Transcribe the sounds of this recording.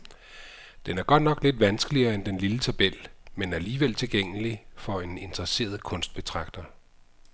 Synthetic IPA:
d̥enæɐɡ̥ɒ̽d̥nɒ̽ɡ̥le̝d̥ʋænsɡ̥əliɐːend̥enlilət͡sʰæb̥el̰menæɐæliːʋel̰t͡sʰe̝lɡ̥eŋ̰əlifɒ̽e̝ne̝nd̥ʁɐse̝̰ːɐð̞ˠkʰɔ̽nsd̥̚b̥e̝t͡sʰʁɑ̈ɡ̥d̥ɐ

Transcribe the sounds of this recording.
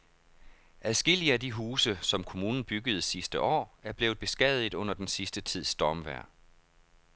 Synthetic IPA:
æðˠsɡ̥e̝l̰iəædiɦuːsəsɒ̽mkʰo̝muːnn̩b̥yɡ̥əð̩ˠsisd̥əʔɒ̰ːæɐb̥le̝ːʊð̩ˠb̥e̝sɡ̥ɛðˠið̩ˠɔ̽n̰ɐd̥ensisd̥ət͡sʰið̞̰ˠsd̥ɒːmʋæɐ̰

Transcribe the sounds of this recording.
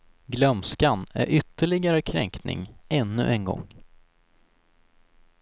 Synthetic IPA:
ɡlœmskanæ̰ɾʔʏt̪ːəɭɪɡaɾəkʰɾɛŋknɪ̰ŋɛnːɵ̰ʔɛnɡɔ̰ŋ

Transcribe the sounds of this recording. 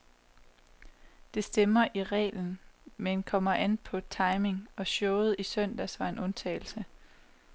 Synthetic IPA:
d̥e̝sd̥emɐʔiʁɛ̰ːln̩menkʰɒ̽m̰ɐʔænpʰɒ̽t͡sʰɑ̈ɪme̝ŋɒ̽ɕɔːʊð̞̩ˠisœn̰d̥æsʋɑ̈e̝nʔɔ̽nt͡sʰɛ̰ɪl̩sə

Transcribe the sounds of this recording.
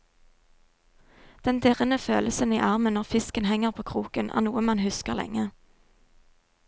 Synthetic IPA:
d̪̥ɛnd̪ɪʁənəføːləsəniːʔɑʁmənɔʁfɪskənhɛŋəʁpʰoːkʰʁuːkənʔæ̰ːʁnuːəmɑnhʉskəʁlɛ̰ŋə

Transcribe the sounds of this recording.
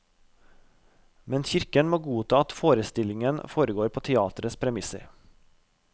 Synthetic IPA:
mɛnçɪɾkənmoːɡuːt̪ʰɑːɑt̪foːɾəst̪ɪlɪŋənfoːɾəɡoːɾpʰoːt̪ʰɛɑːt̪ɾəspʰɾɛmɪsə̰ɾ

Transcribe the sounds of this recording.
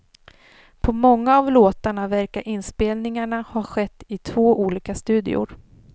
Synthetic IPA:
pʰɔmɔŋːaːvloːt̪aɳavæɾkaɾʔɪnspeːlnɪŋaɳahaɧɛt̪ːɪt̪ʰvoːʔuːliːkast̪ʉ̟ːd̪ɪ̰ʊ̰ɾ

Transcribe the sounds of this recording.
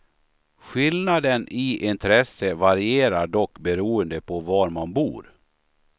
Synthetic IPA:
ɧɪlnad̪ənɪʔɪnt̪ʰɾɛsːəvaɾɪeːɾaɖɔkːbɛɾuːənd̪əpʰɔvaɾmanbṵːɾ

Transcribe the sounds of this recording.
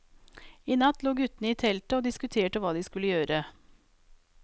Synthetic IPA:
iːnɑt̪luːɡʉt̪nəiːt̪ʰɛlt̪əoːd̪ɪskʉt̪ʰeːʈəʋɑːd̪iːskʉləjøːɾə

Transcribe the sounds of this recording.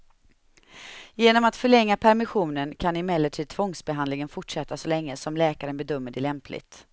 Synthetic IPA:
jeːnɔmat̪fœɭɛŋːapʰæɾmɪɧuːnənkʰanɪmɛlːəʈʰiːd̪̚t̪ʰvɔŋsbɛɦand̪lɪŋənfʊʈʂɛt̪ːasɔlɛŋːəsɔmlɛːkaɾənbɛd̪œmːəɖɛlɛmplɪ̰ɡt̪

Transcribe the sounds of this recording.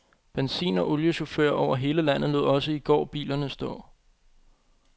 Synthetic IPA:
b̥ensḭːnɒ̽ʔo̽ljəɕo̝føɐ̰ʔɒʊ̰ɐɦe̝ːləlæn̰ð̞̩ˠlo̝ð̩ˠɒ̽səiɡ̥ɒ̰ːb̥ḭːlɐnəsd̥ɔ̰̽ː

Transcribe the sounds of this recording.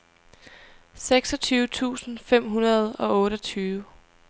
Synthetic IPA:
seɡ̥sɒ̽t͡sʰyːʊət͡sʰṵːsn̩fem̰ɦunɐð̞ˠɒ̽ɔ̽ːɾɒt͡sʰyːʊ

